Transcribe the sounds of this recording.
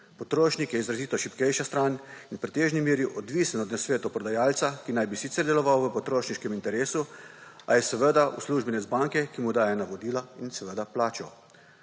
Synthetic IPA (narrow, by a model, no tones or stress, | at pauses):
pɔt̪ɾoːʃnikjɛizɾaziːt̪ɔʃipkɛjʃast̪ɾaninpɾɛt̪eːʒnimeːɾjiʔɔd̪ʋisɛnɔd̪nasʋeːt̪ɔpɾɔd̪ajaːlt̪sakinajbisit̪sɛɾd̪ɛlɔʋawʋəpɔt̪ɾoːʃniʃkɛmint̪ɛɾeːsua̰jɛsɛʋəd̪ausluʒbɛnɛzbaŋkɛkimud̪aːjɛnaʋɔd̪iːlainsɛʋəd̪aplaːt͡ʃɔ